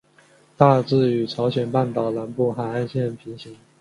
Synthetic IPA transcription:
t̪a˥˧t͡sɹ̩˥˩y˨˩ʈ͡ʂʰɑ˧˥ʊɕjɛ˨˩npa˥˩nt̪ɑ˨˩ʊna˧˥npu˥˩xa˨˩ɪa˥˧nɕjɛ˥˩npʰi˧˥ŋɕi˧˥ŋ

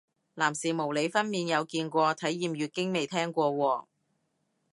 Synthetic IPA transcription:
laː˨˩msiː˨˩mo˨˩wle˨˧jfɐ˥nmiː˧njɐ˨˧wkiː˧nkʷɔː˧t̪ʰɐ˨˥jiː˨mjyː˨˧t̚kɪ˥ŋme˨jt̪ʰɛː˥ŋkʷɔː˧wɔː˨˩ŋ

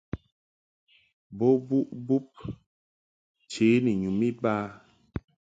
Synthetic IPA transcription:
bo˦bu˦ʔbu˦p̚ | t͡ʃe˨˦ni˨ɲu˨mi˦ba˦

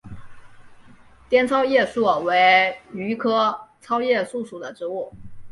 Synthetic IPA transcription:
t̪jɛ˥nt͡sʰɑ˥ʊjɛ˥˧su˥˩we˧˥ɪy˧˥kʰɤ˥t͡sʰɑ˥ʊjɛ˥˧su˥˩ʂu˨˩d̪ə˦ʈ͡ʂɻ̩˧˥u˥˩

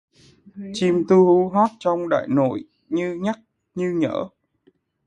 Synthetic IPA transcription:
t͡ɕi˧mt̪u˧hu˧˦ɦɔ˦˥t̚t͡ɕɔ˧wŋ͡mɗa̰ː˧˨jno̰˧˨j | ɲɨ˧ɲa˦˥k̚ | ɲɨ˧ɲə̰ː˧˥

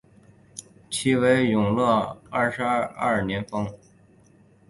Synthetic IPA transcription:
t͡ɕʰi˥we˧˥ɪjʊ˨˩ŋlɤ˥˧a˥˩ʂɻ̩˧˥˧ɐ̰˥˩njɛ˧˥nfɤ˥ŋ

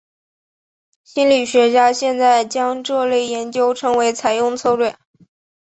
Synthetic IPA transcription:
ɕi˥nli˨˩ɕɥɛ˧˥t͡ɕja˥ɕjɛ˥˧nt͡sa˥˩ɪt͡ɕjɑ˥ŋʈ͡ʂɤ˥˧le˥˩ɪjɛ˧˥nt͡ɕjo˥ʊʈ͡ʂʰɤ˧˥ŋwe˧˥ɪt͡sʰa˨˧˩ɪjʊ˥˧ŋt͡sʰo˥˧ʊlwe˥˩

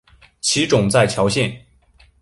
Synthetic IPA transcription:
t͡ɕʰi˧˥ʈ͡ʂʊ˨˩ŋt͡sa˥˩ɪt͡ɕʰjɑ˧˥ʊɕjɛ˥˩n

